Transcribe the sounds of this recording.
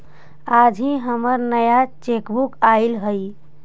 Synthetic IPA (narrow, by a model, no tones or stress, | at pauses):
ad͡ʒʱĩɦəməɾnəjat͡ʃekbukaɪlɦəj